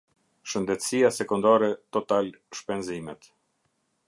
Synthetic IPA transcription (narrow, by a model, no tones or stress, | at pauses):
ʃənd̪ɛt̪sijasɛkund̪aɾɛt̪ɔt̪al | ʃpɛnzimɛt̪